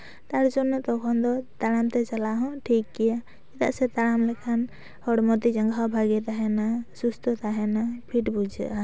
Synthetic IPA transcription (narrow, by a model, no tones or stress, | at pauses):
t̪aɾd͡ʒɔnɔt̪ɔkʰɔnd̪ɔt̪aɽamt̪ɛt͡ʃalaɦɔ̃ʈʰikːija | it̪a̰ʔsɛt̪aɾamlɛkʰan | hɔɽmɔt̪id͡ʒaŋɡʱabʱaɡɛt̪aɦɛnasust̪ɔt̪aɦɛnapʰiʈbud͡ʒɛ̰ʔa